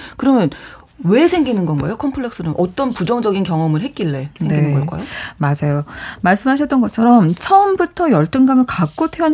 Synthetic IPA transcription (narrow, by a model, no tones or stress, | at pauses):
kɯɾʌmjʌn | we̞sʰe̞ŋɡinɯnɡʌnɡa̰ejokʰʌmpʰɯɭe̞k̚s͈ɯnɯnʔʌt͈ʌnpud͡ʑʌŋd͡ʑʌɡinkjʌŋʌmɯɭɦet̚k͈iɭːe̞sneŋɡeinɯnɡʌ̰k͈a̰jomad͡ʑajomaɭs͈ɯmɦaɕ̬ʰʌt͈ʌnɡʌt͡ɕʰʌɾʌmt͡ɕʰʌɯmbutʰʌjʌɭt͈ɯŋɡamɯɭkak̚k͈otʰeʌn